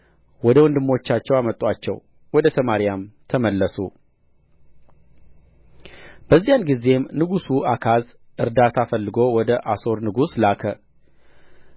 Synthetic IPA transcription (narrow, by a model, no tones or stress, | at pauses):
wɔd̪əwɔnd̪ɨmːo̞t͡ʃːat͡ʃːɛwamət̪ʼːat͡ʃːɛ̰w | wɔd̪əsəmaɾijamt̪ʰəməlːəsṵ | b̥əzːijanɡize̞mnɨɡusuʔakʰaz | ʔɨɾd̪at̪ʰafəlːɨɡo̞wɔd̪əʔaso̞ɾnɨɡuslakʰə